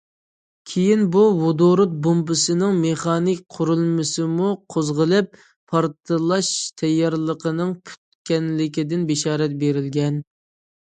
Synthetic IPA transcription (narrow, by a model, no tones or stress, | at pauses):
kʲʰejinbuwod̪oɾut̪̚bombɨsɨnɪŋmeχɑːnɪkʲqʰʊɾulˠmɨsɨmuqʰozʁəlˠɨp̚ːʰ | ɑɾt̪ʰɨlˠɑʃt̪ʰɛjːɑɾlˠəqʰənɨŋpʰy̥t̪̚kʲɛnlɪkʲid̪ɪnbɪʃɑːɾɛt̪̚beɾɪlɡʲɛn